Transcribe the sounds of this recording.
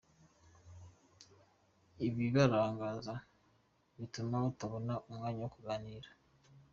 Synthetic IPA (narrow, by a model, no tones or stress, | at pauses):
iβiβaɾaːŋɡaza | βitumautaβonaʔomŋaːɲaokuɡaniːɾḁ